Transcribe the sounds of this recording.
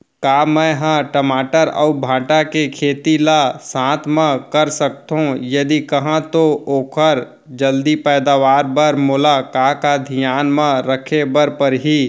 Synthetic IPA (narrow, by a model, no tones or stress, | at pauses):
kaːmə̃ɦãʈəmaːʈəɾə̰ubʱãːʈakekʰeːt̪ilasãːt̪ʰmẽkəɾsək̚t̪ɦũjɐd̪ikɐɦãt̪ooːkʰəɾ | d͡ʒəld̪ipɛːd̪aːʋaːɾbəɾmoːlakaːkad̪ʱijaːnmə̃ɾəkʰebəɾpəɾɦi